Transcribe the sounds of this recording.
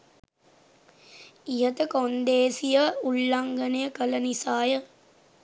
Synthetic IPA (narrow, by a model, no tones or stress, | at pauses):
ijɐt̪ɐkond̪eːsijɐuɭːɐŋɡɐnɐjɐkɐlɐnisaːjɐ